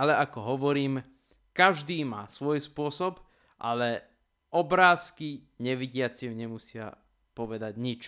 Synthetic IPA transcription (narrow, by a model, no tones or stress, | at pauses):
alɛakɔɦɔʋɔɾiːm | kaʒd̪iːmaːsʋɔjspʊɔsɔb | ʔa̰lɛ | ʔɔbɾaːskiɲɛʋiɟɪat͡simɲɛmusɪa̰ | pɔʋɛd̪aɟɲit͡ʃ